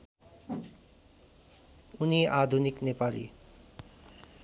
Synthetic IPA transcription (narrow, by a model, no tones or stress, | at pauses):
uniad̪ʱuniknepalḭ